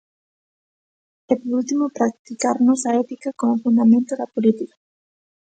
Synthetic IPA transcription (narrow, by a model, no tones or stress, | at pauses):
epoɾult̪imopɾak̚t̪ikaɾnosaet̪ikakomofund̪amẽnt̪oðapolit̪ika